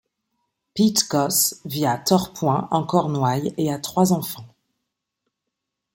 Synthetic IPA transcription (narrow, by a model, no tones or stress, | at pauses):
pit̪kɔsviat̪ɔʁpwɛ̃ɑ̃kɔʁnwajeat̪χwazɑ̃fɑ̃